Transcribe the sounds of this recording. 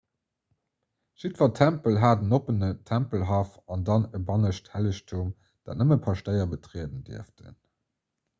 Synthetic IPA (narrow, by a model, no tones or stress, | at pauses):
ʃitvɐtʰæmpəlɦaːdənopənətʰæmpəlɦɑːfɑndɑnəbɑnəʃthæləɕtʰum | d̥aːtnəməpʰɑʃtəɪɐbətʁiədəndḭəftə̰n